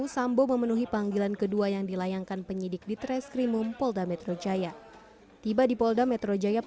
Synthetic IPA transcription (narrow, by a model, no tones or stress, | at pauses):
usamboməmənuɦipaŋɡilankəduajaŋdilajaŋkanpəɲidɪk̚dit̪ɾɛskɾimumpɔldamɛt̪ɾod͡ʒaja | t̪ibadipɔldamɛt̪ɾod͡ʒaja